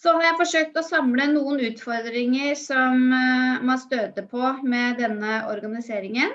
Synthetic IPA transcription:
sɔhɑɾjæɪfɔʂøːk̚t̪ɔsɑmlənuːənʉːt̪fɔɾd̪ɾɪŋəɾsɔmmɑnst̪øːt̪əpʰɔmɛd̪ɛnːəɔ̰ɾɡɑnɪseːɾɪŋən

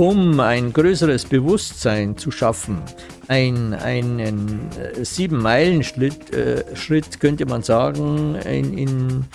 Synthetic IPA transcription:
ʊmaɪnɡʁøːsəʁəsb̥əvʊstzaɪnt͡suʃafn̩ | ʔaɪna̰ɪnənz̥iːbm̩maɪlən̩ɪʃʁɪtkʰœntəmanzaːɡŋ̩ɪ̰nɪn

